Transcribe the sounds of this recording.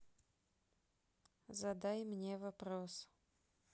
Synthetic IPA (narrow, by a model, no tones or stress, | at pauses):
zɐd̪ajmnʲevɐpɾos